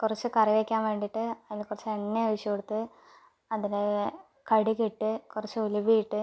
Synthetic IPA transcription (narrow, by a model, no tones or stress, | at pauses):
kurɐt͡ɕːukɐriʋekʲːaːnʋe̞ːɳɖiʈːɨɐðilkurɐt͡ɕːueɳːeʋiɕɐkoɽut̪ːɨ | ɐðile | kɐɽikiʈːɨkurɐt͡ɕːuulubijiʈːɨ